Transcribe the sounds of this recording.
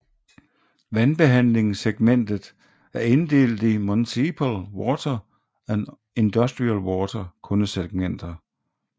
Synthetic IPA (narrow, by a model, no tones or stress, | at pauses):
ʋænb̥e̝ɦæn̰le̝ŋseɡ̥men̰d̥ð̩ˠ | æɐe̝nd̥e̝̰ːld̥imonsipʰəlwɒːt͡sʰɐ | æn | end̥ɔsd̥ʁiælwɒːt͡sʰɐkʰɔ̽nəseɡ̥̚men̰d̥ɐ